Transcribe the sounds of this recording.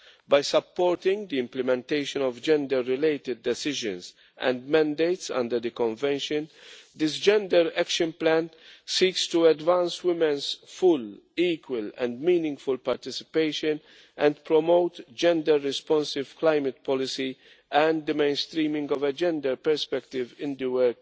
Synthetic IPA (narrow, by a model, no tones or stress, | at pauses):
bajsapːɔɹtɪ̃ŋd̪iɪ̃mplɛmɛ̃nteɪʃə̃nɔvd͡ʒɛ̃ndəɹːɪleɪtɪd̚ːɛsɪʒə̰̃nz | ʔɛ̰̃ndmæ̃ndeɪtsʌ̰̃ndəɾd̪əkɔ̃ɱvɛ̃nʃɨ̃nd̪ɪsd͡ʒɛ̃ndəɾækʃə̃nplæ̃nsiːkstuædvãnswɪmɛ̃nzfʊl | iːkwəlɛ̰̃ndmĩːnɪ̃ŋɡfʊlpaɾt̪ɪsɪ̥peɪʃə̃n | ʔɛ̃ndpʰɹɔmoʊtd͡ʒɛ̃ndəɾːɪspɔ̃nsɪv̥klaɪmət̚pʰɔlɪsi | ɛ̃nd̪əmẽɪ̃nst̪ɾĩːmɪ̃ŋɡɔvəd͡ʒɛ̃ndəɾpɛɾspɛktɪvɪ̃nd̪əwəɾk